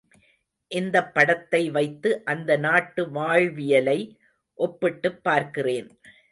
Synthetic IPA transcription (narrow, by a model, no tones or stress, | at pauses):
ʔɪnd̪ɐpːɐɽɐt̪ːɐɪʋɐɪt̪ːɯʔɐnd̪ɐnaːʈːɯʋaːɻʋɪjɐlɐɪ | ʔɔpːɪʈːɯpːaːɾkɪreːn